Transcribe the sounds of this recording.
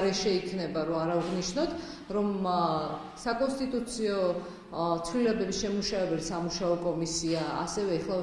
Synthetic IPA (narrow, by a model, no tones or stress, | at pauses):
ɾɛʃɛikʰnɛbaɾɔaɾavʁniʃnɔt̪ʰ | ɾɔm | sakʼɔnst̪ʼit̪ʼut̪sʰiɔ | t̪sʰwlilɛbɛbisʃɛmuʃavɛbɛlsamuʃaɔkʼɔmisiaa̰sɛvɛːχlˠa